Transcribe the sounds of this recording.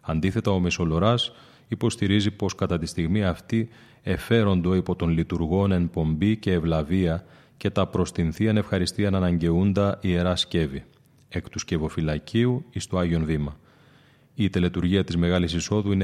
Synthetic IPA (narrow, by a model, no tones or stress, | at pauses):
ɐnd̪iθe̞t̪ɐo̞meso̞lo̞ɾɐs | ipo̞st̪iɾizipo̞skɐt̪ɐt̪ist̪iɣmiɐft̪i | e̞fe̞ɾo̞nd̪o̞ipo̞t̪o̞nlit̪uɾɣo̞ne̞mpo̞mbice̞ːvlɐviɐ | ce̞t̪ɐpɾo̞st̪inθiɐne̞fxɐɾist̪iɐnɐnɐɲɟe̞und̪ɐʔie̞ɾɐsce̞vi | ekt̪usce̞vo̞filɐciuist̪oɐʝio̞nvimɐ | it̪elet̪uɾʝiɐt̪izme̞ɣɐlisiso̞ðuine